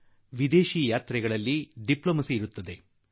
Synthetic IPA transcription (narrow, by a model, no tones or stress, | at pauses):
ʋid̪eːʃiːjaːt̪ɾɛɡɐɭɐlːiɖiploːmɐsiːɾut̪ːɐd̪e̞